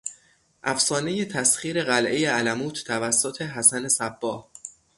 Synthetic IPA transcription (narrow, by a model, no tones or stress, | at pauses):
ʔæfsɒːne̞je̞t̪ʰæsχiːɾe̞ɣælʔe̞jeælæmuːt̪ʰːævæsːot̪ʰe̞ɦæsæne̞sæb̥ːɒːh